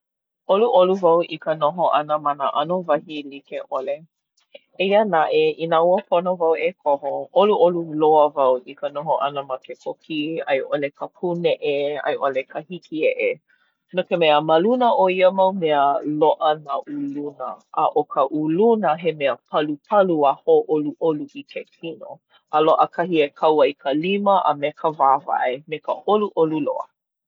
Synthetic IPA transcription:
ʔoluʔoluvɐwʔikənoɦoʔɐnəmɐnəʔanovɐhilikeʔole | eiənaʔeinauəpʰonovawʔekʰoɦoʔoluʔoluloəvɐwʔikənoɦoʔɐnəmɐkekʰokʰiɐ̰jʔolekəpʰuneʔeɐ̰jʔolekʰəhikʰiɛʔe | nokemeəmɐlunəʔoiəmɐwmeəloʔənaʔulunə̰ʔːʔokʰəʔulunəɦemeəpʰɐlupʰɐluahoʔoluʔoluʔikʰekʰino̰ | əloʔəkʰahiekʰɐwɐjkʰəliməʔə̰mekʰəvaːva̰emekəʔoluʔolulo̰ə̰

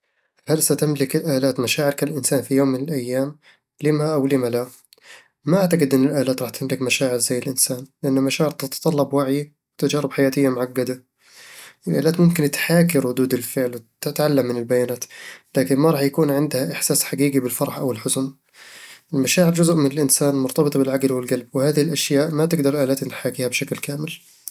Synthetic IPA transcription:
halsat̪ɪmlɪkɪlʔaːlaːt̪maʃaːʕɪɾkalʔɪnsaːnfijoːmːɪnɪlʔajːaːm | lɪmaʔawlɪmala | maʔaʕt̪aɡɪd̪ʔɪnːɪlʔaːlaːt̪ɾˤɑːħt̪ʰɪmlɪkmaʃaːʕɪɾzajːɪlʔɪnsaːnlɪʔanːamaʃaːʕɪɾt̪ɪt̪t̪ˤɑlːɑbwaʕji | wɪt̪ad͡ʒaːɾɪbħajaːt̪ɪjːamʊʕaɡːad̪a | ʔɪlʔa̰ːlaːt̪mʊmkɪnt̪ħaːk̬iɾˤʊd̪uːd̪ɪlfɪʕlwɪt̪ɪt̪ʕalːamːɪnɪlbajaːnaːt̪laːkɪnmaɾˤɑːħjakuːnʕɪnd̪haʔɪħsaːsħaɡiːɡibɪlfɑɾˤɑħʔawɪlħʊzʊm | ʔɪlmaʃaːʕɪɾd͡ʒʊzʔmɪnɪlʔɪnsaːnmʊɾt̪ɑbɨt̪ˤɑbɪlʕaɡlwɪlɡalb̚wɪhaːðɪhɪlʔaʃjaːʔmat̪ɪɡ̚d̪ɑɾˤʔaːlaːt̪ɪnħaːkiːhabʃaklkaːmɪl

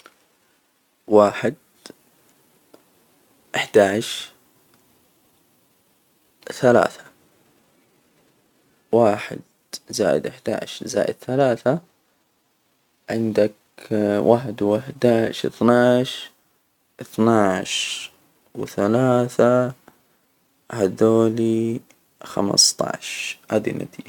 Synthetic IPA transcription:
waːħɪd̪̚ | ʔɪħd̪aːʕʃ | θala̰ːθḁ | waːħɪ̰d̪ | za̰ːjɪ̰d̪ʔɪħd̪a̰ːʕ̰ʃza̰ːjʔɪ̰d̪̚θalaːθa | ʕɪnd̪ak | wʔaːħɪd̪wɪħd̪aːʕʃɪ̰θnaʕʃ | ʔɪθnaʕʃ | wɪθalaːθa | had̪oːli | xa̰m̰st̪ˤɑ̰ʕʃhaːd̪ḭnʔa̰t̪ḭːd͡ʒ

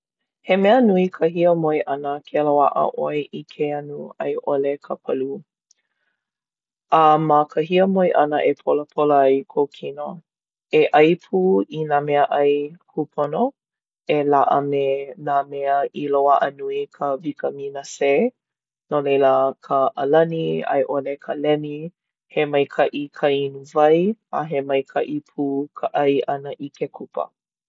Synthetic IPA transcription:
hemɛənuikʰəɦiəmojʔɐnəkʰelowaʔə̰ʔojʔikʰeɐnuɐ̰jʔolekʰəpʰɐlu | ɐməkʰəɦiəmojʔɐnəʔepʰoləpʰoləɐjkʰowkʰino | eʔɐjpʰuinamɛəʔɐjhupʰono | elaʔə̰menamɛəʔiloaʔənuikʰəvikəminəse | nolejləkʰəʔəlɐnia̰jʔolekʰəlɛni | hemɐjkʰɐʔikʰəinuvɐja̰ɦemɐjkʰɐʔipʰuːkʰəʔɐjʔɐnəʔikʰekʰupə̰

